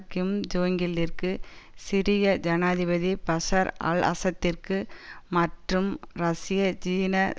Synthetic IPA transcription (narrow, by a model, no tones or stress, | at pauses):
kɪmd͡ʒoːŋɡɪlːɪrkɯsɪɾɪjɐd͡ʒɐnaːðɪbɐðipɐsɐɾɐ̰ɭɐ̰sɐt̪ːɪrkɯmɐʈrɯmɾɐsɪjɐt͡ʃiːnɐ